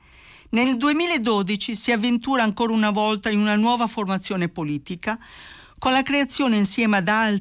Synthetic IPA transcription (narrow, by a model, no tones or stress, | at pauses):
neld̪uemiːlaed̪ːoːd̪it͡ʃisiavːent̪uːɾaːŋkoːɾaunavɔlt̪ainunanwɔːvaformat̪sːjoːnepoliːt̪ika | konlakɾeat̪sːjoːneinsjɛːmad̪al